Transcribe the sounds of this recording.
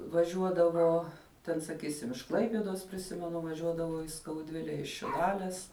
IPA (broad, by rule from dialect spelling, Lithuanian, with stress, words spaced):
ʋɐˈʒʲuɔdɐʋoː ˈtʲɛn sɐˈkʲiːsʲɪm ɪʃ ˈklˠɐɪpʲiɛdoːs pʲrʲɪˈsʲɪmʲɛnʊ ʋɐˈʒʲuɔdɐʋɐʊ iː skɐʊˈdʲʋʲɪlʲɛ ɪʃ ʃʲɪˈlˠɑːlʲɛs